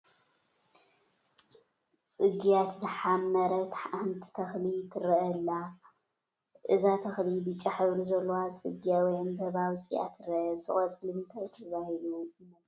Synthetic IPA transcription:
t͡sʼɨɡijat̪zɨħamːɐɾɐt̪ʰħahɨnt̪ʰi̥t̪ʰɐxlit̪ʰɨɾɐʔɐlːa | ʔɨzat̪ʰɐxlibɨt͡ʃʼaħɨβɾizɐlːowat͡sʼɨ̰ɡjawɔjɨnbɐβawsʼija̰t̪ʰɨɾɐʔɐsɨ̰χʼɐt͡sʼlɨβɨnt̪ʰat̪ʰɨβahiluɨmɐsʼ

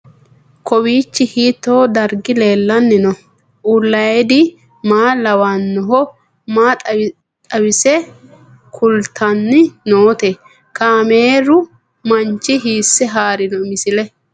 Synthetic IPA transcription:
kʰɔwiːt͡ʃːɪhiːt̪ːoːd̪ɐɾɡɪle̞ːlːɐnːɪnɔ | ʔulːɐjd̪ɪ | maːlɐwaːnːɔɦɔ | maːt̪ʼɐ | t̪ʼɐwɪsɛ | kʰʊlt̪ʰɐnːɪnoːt̪ɛ | kaːmeːɾʊ | mɐnt͡ʃːɪɦiːsːɛɦaːɾɪnɔmɪsɪlɛ

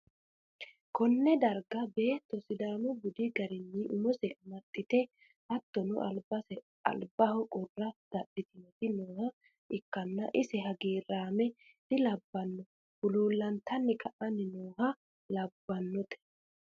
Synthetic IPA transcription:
kʰɔnːɛd̪ɐɾɡɐbe̞ːt̪ːɔsɪd̪aːmɔbʊd̪ɪɡɐɾɪnːɪʔʊmɔsɛɐmɐt̪ʼːɪt̪ɛ | hɐt̪ːɔnʊ̰ʔɐlbɐsɛ | ɐ̰lbɐhɔkʼʊrːɐd̪̥ɐɗːɪt̪ɪnɔt̪ɪnoːhɐ | ɪkːɐnːɐʔɪsɛɦɐɡiːrːaːmɛ | d̪̥ɪlɐbːɐnːɔ | bʊluːlːɐnt̪ɐnːɪkʰɐʔɐnːɪnoːɦɐ | lɐbːɐnːɔt̪ʰɛ̥

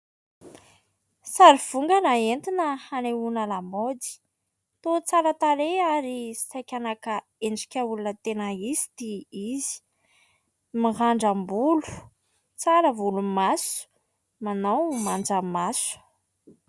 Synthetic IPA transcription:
saɾiv̥uŋɡənaent̪inəhaneunəlamod̪i̥ | t̪ot͡saɾət̪aɾeaɾisajkʲanakə | eɳɖ͡ʐikʲəulunət̪enəizi̥d̪iizi̥ | miɦaɳɖ͡ʐambulu̥ | t͡saɾəvulumasu̥ | manowmand͡ʒamasu̥

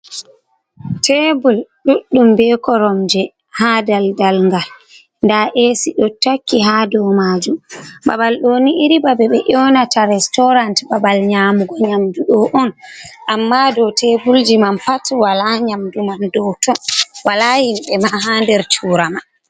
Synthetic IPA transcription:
tʰebulɗuɗːumbɛkɔɾɔmd͡ʒɛ | hadaldalŋɡal | ndaʔesiɗɔtːakːiɦaːdɔmaːd͡ʒumba̰balɗoniiɾibabɛɓɛʔɔwnataɾɛstɔɾantbabalɲaːmuɡɔɲamduɗɔʔɔnʔamːadɔtebuld͡ʒimanpatwalaɲamdumandɔwtɔnwalahimɓɛmaɦaːndɛɾt͡ʃuːɾama

